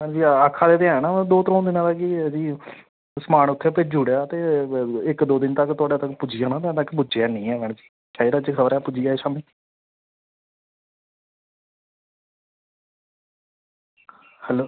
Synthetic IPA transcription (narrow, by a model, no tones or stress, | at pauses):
ɦɛ̃ɳd͡ʒiːaːkʰaːd̪eːt̪eãːnãːd̪oːt̪ɾõːd̪ɪnãːt̪akid͡ʒiː | səmaːɳ̃ʊt̪ʰːeped͡ʒuːɽjaːt̪eːɪkd̪oːd̪ɪnt̪əkt̪ʊaːɖeːt̪əkpʊd͡ʒiːaːnãːt̪ɛ̃ːt̪əkːbʊd͡ʒeaːnĩːɛːʋɛ̃ːɳ̃d͡ʒiː | kaːiɾad͡ʒekʰəbəɾɛːpʊd͡ʒiːaːeːʃaːmiː | hɛːloː